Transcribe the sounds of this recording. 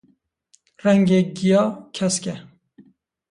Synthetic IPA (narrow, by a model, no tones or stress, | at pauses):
rɛŋɡeːɡijɑːkʰɛskɛ